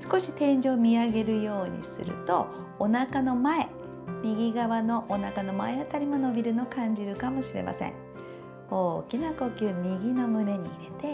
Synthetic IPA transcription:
sɨ̥ko̞ɕi̥t̪ẽ̞ɲd͡ʑo̞ːmʲiaɡe̞ɾɯ̟jo̞ːɲ̟ḭsɨ̰ɾɯ̟̰t̪o̞̰ː | nakano̞mae̞ | mʲiɡʲiɡaβano̞ʔːnakano̞maeat̪aɾʲimo̞no̞bʲiɾɯ̟no̞kãɲ̟d͡ʑiɾɯ̟kamo̞ɕiɾe̞̰mʔa̰sḛ̃ŋ | o̞ːkʲinako̞kʲɯːmʲiɡʲino̞mɯ̟ne̞ɲ̟iːɾe̞t̪e̞

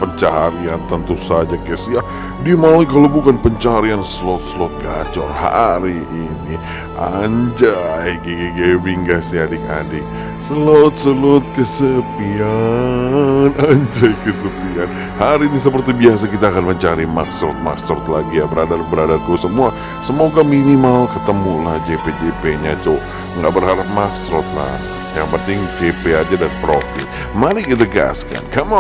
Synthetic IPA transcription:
pəɲt͡ʃaɦaɾiant̪ənt̪usad͡ʒakɛsija | diamalikalowbukanpəɲt͡ʃaɦaɾiansəlot̪̚səlʊt̪̚ɡat͡ʃɔ̰rha̰ɾiʔːni | ʔa̰ɲd͡ʒajɡeɡeɡebiŋɡasiadɪka̰dɪk̚ | səlot̪̚səlʊt̪̚kəsəpia | naɲd͡ʒajkəsəpian | haɾinis̬əp̬ərt̪ibias̬akit̪aːkanməɲt͡ʃaɾimaksɾɔt̪̚ma̰ksɾɔt̪̚laɡijabəɾadarbəɾadarkuasəmua | səmoɡaminimalkət̪əmulahd͡ʒeped͡ʒepeɲat̪ʊ | ŋɡaʔbərɦaɾap̚maksɾɔt̪̚la̰ | jaŋpənt̪ɪŋd͡ʒepead͡ʒadanpɾofɪt̪̚ | malɪkit̪̬aɡa̰ska̰nkama

